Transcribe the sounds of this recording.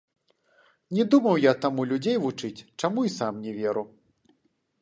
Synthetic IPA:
nʲɛd̪umɐwjat̪amulʲud͡zʲejvut͡ʂɨt͡sʲt͡ʂamuisamnʲɛvʲɛɾu

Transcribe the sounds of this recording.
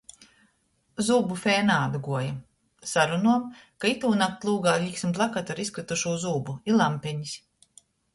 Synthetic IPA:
zuːbufɛːnaːd̪ɡuɔja | saɾunuɔmkait̪uːnak̚t̪lˠuːɡaːlʲiksmt̪lˠakat̪aɾiskɾit̪uʃuːzuːbuilˠampʲɛɲis

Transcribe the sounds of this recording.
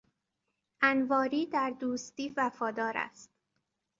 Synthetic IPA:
ʔænvɒːɾiːd̪æɾd̪uːst̪iːvæfɒːd̪ɒːɾæ̰st̪̚

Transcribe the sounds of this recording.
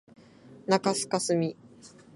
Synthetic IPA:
nakasɨ̥kasɨmʲi

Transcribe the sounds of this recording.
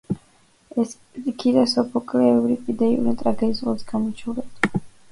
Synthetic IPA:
ɛs | ikʰiɾɛsɔpʰɔkʼlɛɛvɾipʼid̪ɛinɛt̪ʼɾaɡɛisʁɔsɡamɔt͡ʃʰulɛt̪ʰ

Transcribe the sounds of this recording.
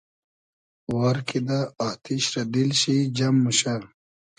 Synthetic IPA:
waɾkʰid̪aat̪ʰiɕɾɐd̪ilɕid͡ʑɐmːuɕa

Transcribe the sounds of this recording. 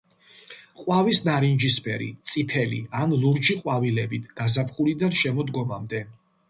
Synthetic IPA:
qʼwavisnaɾind͡ʒispʰɛɾḭt̪sʼit̪ʰɛlḭanluɾd͡ʒiqʼwavilɛbit̪ʰɡ̥azapʰχulid̪anʃɛmɔd̪ɡɔmamd̪ɛ

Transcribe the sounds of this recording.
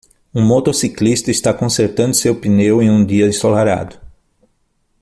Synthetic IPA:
ũmot̪osiklist̪ɐɪst̪akõseɾt̪ɐ̃nd̪ʊsewpinewẽj̃ũd̪iɐd̪ɪsolaɾa̰d̪ʊ

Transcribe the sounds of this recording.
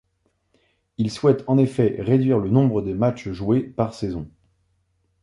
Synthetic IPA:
ilswɛt̪ɑ̃nefɛʁed̪ɥiʁlənɔ̃bʁəd̪əmat͡ʃʒuepaʁsɛzɔ̃

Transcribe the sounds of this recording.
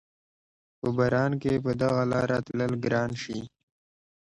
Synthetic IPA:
pəbɐɾɑːnkepəd̪ɐɣalaːɾat̪ləlɡɾɑːnʃi

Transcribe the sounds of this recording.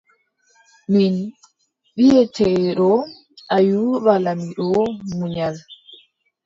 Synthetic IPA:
min | ɓijɛtʰɛɗɔ | ʔajuɓalamiɗɔmuɲal

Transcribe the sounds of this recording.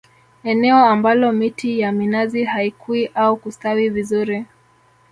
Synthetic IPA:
ɛnɛɔambalɔmitijaminazihaikuiʔaukustawivizuɾi

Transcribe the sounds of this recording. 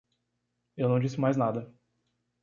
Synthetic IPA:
ewnɐ̃w̃d͡ʒisɪmajznad̪ɐ

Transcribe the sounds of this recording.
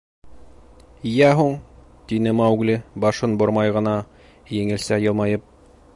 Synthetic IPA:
jæɦuɴ | t̪inɘmɑwɡlɘbɑʃɤnbŏɾmɑjʁɤ̆nɑ | jɘ̆ŋɘ̆lsæjɤ̆lˠmɑjɤp̚

